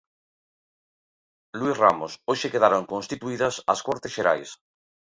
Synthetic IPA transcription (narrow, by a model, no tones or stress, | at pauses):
luisramosoʃekeðaɾoŋkõnst̪it̪uiðɐsɐskɔɾt̪esʃeɾa̰js